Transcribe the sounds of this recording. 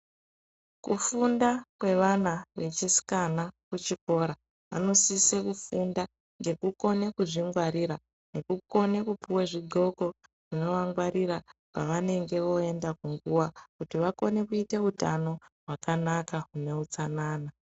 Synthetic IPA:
kufundakwe̞ʋanaʋe̞t͡ʃisi̥kanakut͡ʃiko̞ɾa | ʋa̰no̞sisekufunda | ŋɡe̞kuko̞ne̞kuʐiŋɡwaɾiɾa | ne̞kuko̞ne̞kupʰuweʐiɡʱo̞ko̞ | ʐ̥ino̞ʋaŋɡwaɾiɾapaʋane̞ŋɡe̞ʋo̞e̞ndakuŋɡuwakutiʋako̞ne̞kuite̞utano̞ɦwakanakaɦune̞ut͡sanaːna

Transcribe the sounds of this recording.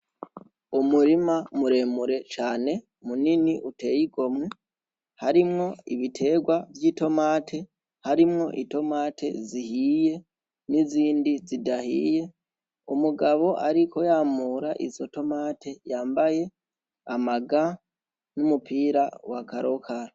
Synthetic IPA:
umuɾimamuɾe̞ːmuɾe̞t͡ʃaːne̞ | muniniʔute̞ːjiɡo̞mŋe | haɾimŋo̞ḭβitʰe̞ɡwavjiːto̞maːtʰe̞ | haɾimŋo̞ʔito̞maːte̞̰zihije̞ | niziːndizidahḭːje̞ | umuɡaβo̞ʔaɾiko̞jaːmuːɾaʔḭzo̞to̞maːtʰe̞jaːmbaje̞ | amaɡa | numupiːɾawakaɾo̞kʰaɾo

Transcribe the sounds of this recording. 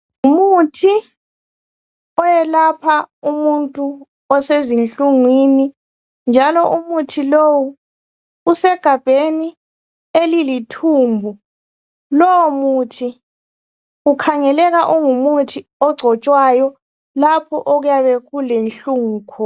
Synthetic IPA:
umutʰi | ɔjɛlapʰaumuntʼu | ɔsezint͡ɬuŋwini | nd͡ʒʱalɔʔumutʰilowu | usɛɡ̥ʱab̥ʱeni | elilitʰuːmbʱu | lɔwɔmutʰi | ɣukʰaŋɛlɛɣaʔuŋumutʰiɔɡ͡ǀʱɔt͡ʃʼwajɔ | lapʰɔʔoɣujaβɛɣulenɬuŋːkʰɔ

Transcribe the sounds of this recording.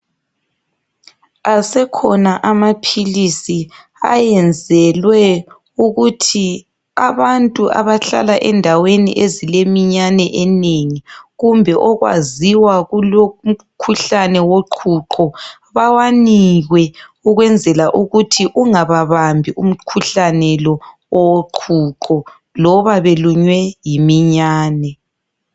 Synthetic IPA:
asɛkʰɔnaʔamapʰilisi | a̰jɛnd͡zʱɛlwɛ | uɣutʰi | aβantʼuʔa̰βaɬa̰laʔɛndʱawenḭʔezilemiɲanɛʔɛneŋiɣumbʱɛʔɔɣwa̰ziwaɣulom̩ | kʰuɬanɛwoǃʰuǃʰɔ | βawaniɣwɛuɣwɛnd͡zʱɛlaʔuɣutʰiʔuŋaβaβambʱiʔum̩kʰuɬanɛlɔ | ɔwoǃʰuǃʰɔ | lɔβaβeluɲwɛjimiɲaːnɛ

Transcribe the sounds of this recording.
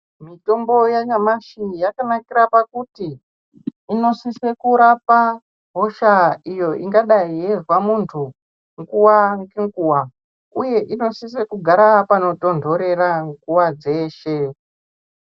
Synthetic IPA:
mito̞mbo̞jaɲamaʃijakanakiɾapakutiː | no̞sise̞kuɾapa | ɦo̞ʃaijo̞iŋɡaɗaijezwamuntʰu | ŋɡuwaŋkiŋɡuwa | uje̞ʔino̞sis̬ekuɡʱaɾapano̞to̞ndʱo̞ɾe̞raŋɡuwad͡ze̞ːʃe̞

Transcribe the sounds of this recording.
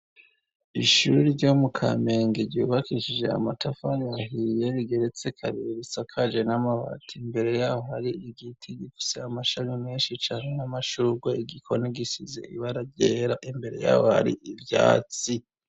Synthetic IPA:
iʃuɾiɟomukʰa̰me̞ːŋɡeɾɟuːβakiʃid͡ʒe̞a̰matʰafajahije̞βiɡe̞ɾet͡sekʰaβiɾisakʰad͡ʒe̞namaβa̰tʰimbe̞ɾe̞jahohaɾiiɡitʰiɡifi̥seamaʃaɲimiːnʃit͡ʃaːnenamaʃuɡweiɡikʰo̞niɡisizḛḭβaɾaɟeːɾaʔimbe̞ɾe̞̰ja̰ːwoha̰ɾḭʔivja̰ːt͡si

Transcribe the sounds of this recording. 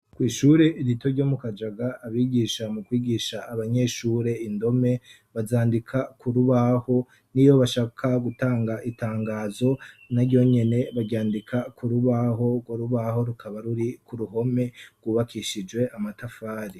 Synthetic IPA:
kwiːʃuːɾe̞ʔiɾitoɾɟo̞mukad͡ʒaɡaːβiːɡiːʃamukwiːɡiʃaːβaɲe̞ʃuːɾe̞indo̞me̞ | βazaːndikʰakuɾuβaho̞ | nijo̞βaʃaːkʰaɡutaːŋɡaʔitaːŋɡaːzo̞naɾɟo̞ɲe̞ne̞βaɡɟaːndikʰakʰuɾuβaɦo̞ɡwoɾuβaho̞ɾukʰaβaɾuɾikuɾuɦo̞me̞ɡ̥wuβakʰiʃid͡ʒwe̞ʔamatafaːɾi

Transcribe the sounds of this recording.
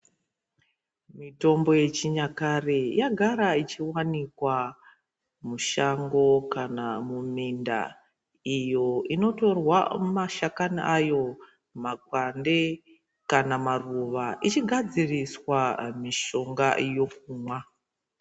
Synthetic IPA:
mito̞mbo̞je̞t͡ʃiɲakarejaɡʱaɾait͡ʃiwanikwa | muʃaŋɡo̞kanamuminda̰ | ijo̞ino̞to̞rwamaʃakaniʔajo̞ | makwande | kanamaruʋaʔit͡ʃiɡʱad͡ziriswamiʃo̞ŋɡajo̞kuːmwa

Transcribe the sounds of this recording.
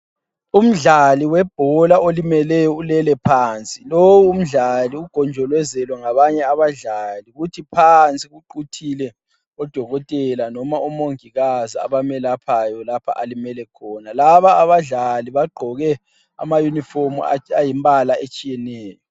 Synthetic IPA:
um̩ɮaliwɛb̥ʱɔlaʔolimɛlɛjɔulɛlɛpʰaːnt͡sʼilowuːm̩ɮaliuɡ̥ʱɔnd͡ʒʱɔlwɛzɛlwɛŋaβaɲɛaβaɮaliɣutʰipʰant͡sʼiɣuǃutʰilɛ | ɔd̥ʱɔɣɔtʼɛlanɔmaumoŋiɣazia̰βamɛlapʰajɔlapʰa̰ʔalimɛlɛkʰɔːnalaβaːβaɮaliβaɡ͡ǃʱɔɣɛ | a̰majuniformṵa̰ajimbʱalaet͡ʃʼijɛnɛːjɔ

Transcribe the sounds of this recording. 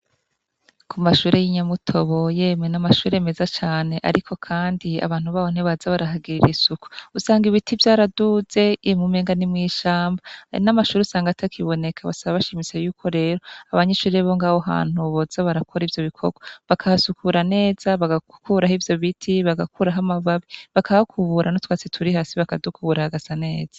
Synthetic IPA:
kʰumaʃuːɾejiɲamutʰo̞βo̞je̞ːmenamaʃuːɾeme̞zat͡ʃaːne̞ʔa̰ɾikʰo̞kʰaːndia̰βaːn̥huβaβon̥eβazaβaɾaɦaɡiɾiɾisuku̥usaːŋɡiβitʰivjaːɾaduze̞imumeːŋɡanimŋiːʃaːmba̰namaʃuːɾiusaːŋɡatʰakʰiβo̞ne̞kʰaβa̰saβaβaʃimise̞juːkʰo̞ɾe̞ːɾo̞aβaɲeʃuːɾeβoŋɡaːwoɦa̰ːn̥huβozaβaɾakʰoɾivjo̞βikʰo̞̰ɡoβakʰahasukʰuːɾane̞ːz̥aβaɡakuɾahivjo̞βitʰiβaɡakʰuɾaɦamaβaβiβakʰaβakʰuβuːɾanotwaːt͡setʰuɾihaːsiβakadukʰuβuɾahaɡazane̞ːz̥ḁ

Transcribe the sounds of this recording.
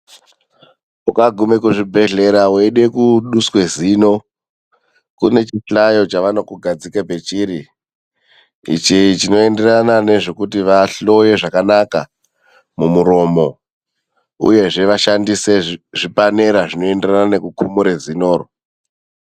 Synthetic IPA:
ukaɡʱume̞kuʐibʱe̞ɮe̞ɾaweɗe̞kuɗuswe̞zino̞ | kṵne̞t͡ʃiɬajo̞t͡ʃaʋano̞kuɡʱad͡zikape̞t͡ʃiɾi | ḭt͡ʃiit͡ʃino̞e̞nde̞ranane̞ʐo̞kutiʋaɬo̞je̞ʐakanaka̰ | mumuɾo̞mo̞ | ṵje̞ʐe̞ʋaʃandise̞ʐipane̞ɾaʐino̞e̞nderanane̞kukumuɾe̞zino̞ːro

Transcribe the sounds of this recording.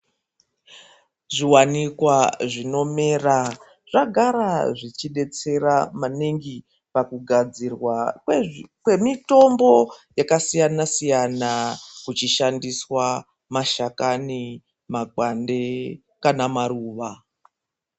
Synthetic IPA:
ʐiwanikwaʐino̞me̞ːra | ʐaɡʱaɾaʐit͡ʃiɗe̞t͡se̞ramaniŋɡi | pakuɡʱad͡zirwa | kwe̞mito̞mbo̞jakasijanasijanakut͡ʃiʃandiswa | maʃakani | maɡande | kanamaruːʋa

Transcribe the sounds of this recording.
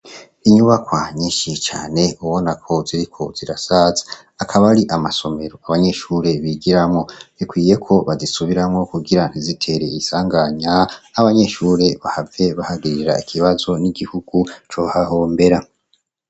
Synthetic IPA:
iɲuβakwaɲiːʃit͡ʃa̰ːne̞uβo̞nakʰo̞ziɾikʰo̞z̥iɾasazḁː | kʰaβaɾiʔamaso̞me̞ɾo̞aβaɲe̞ʃuːɾe̞βiɡiɾamŋo̞βikwiːje̞kʰo̞βazisuβiɾamŋo̞kuɡiɾan̥izitʰe̞ɾe̞isaːŋɡaɲaːβaɲe̞ʃuːɾe̞βahave̞βahaɡiɾiɾa̰ikʰiβazo̞niɡihuɡ̥ut͡ʃohaɦo̞ːmbe̞ɾa

